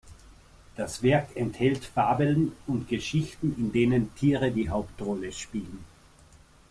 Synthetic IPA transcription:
d̥asv̥ɛɐkɛnthɛltfaːbəlnʊntɡ̥əʃɪçtn̩ɪndeːnəntʰiːʁədiːɦaʊptʁɔləʃpiːlən̩

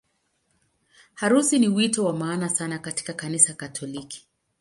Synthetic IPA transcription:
haɾusiniwitɔwamaːnasanakati̥kakanisakatʰɔliki̥

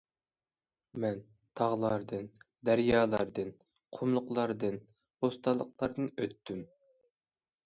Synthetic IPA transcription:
mɛn | t̪ʰɑʁlˠɑɾd̪ɨn | d̪æɾjɑːlˠɑɾd̪ɨn | qʰomlˠʊqlˠɑɾd̪ɨn | bost̪ʰɑlˠːəqlˠɑɾd̪ɨnøt̪ʰːym

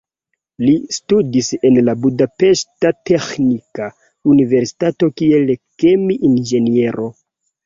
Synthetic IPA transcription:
listudise̞nlabudape̞ʃtate̞xnika | unive̞ɾsi̥tato̞kie̞lkemiʔind͡ʒe̞nie̞ɾʔo̞

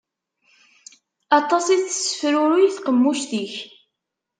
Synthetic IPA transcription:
ɑt̪ˤɑsˤiθə̥sːə̥fɾʊɾiθqəmːuʃt̪iç

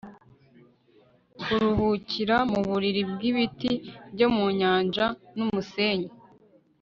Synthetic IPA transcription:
kuɾuɦuciɾamuβuɾiɾib̚ɡiβitibɟomuɲaːnd͡ʒanumuse̞ːɲe

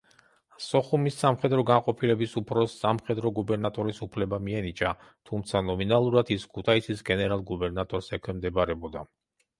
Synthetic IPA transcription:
sɔχumisːamχɛd̪ɾɔɡanqʼɔpʰilɛbisupʰɾɔsːamχɛd̪ɾɔɡubɛɾnat̪ʼɔɾisupʰlɛbamiɛnit͡ʃʼa | t̪ʰumt̪sʰanɔminalˠuɾad̪iskʰut̪ʰait̪sʰisɡɛnɛɾalˠɡubɛɾnat̪ʼɔɾsɛkʰwɛmd̪ɛbaɾɛbɔd̪a

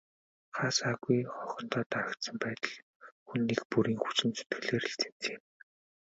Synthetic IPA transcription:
χaːsaːɣujχɔχɞ̆nt̪ɔːt̪aɾə̆kt̪sə̆mpæːt̪ə̆ɮ | xunːiːkpuɾiːŋxut͡sɘ̆nsɵ̥t̪ɡ̥ɘ̆ɮeːɾiɬt͡sĕn̥t͡seːm

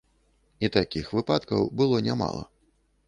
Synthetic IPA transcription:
it̪akʲixvɨpat̪kɐwbɨlˠɔnʲama̰lˠɐ̰

